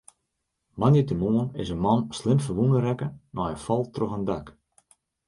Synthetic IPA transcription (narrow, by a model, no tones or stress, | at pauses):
manjətəmuənɪ̰zənmɔnslɪmfəʋunəɾɛkənɔjəfɔlˠtroxandak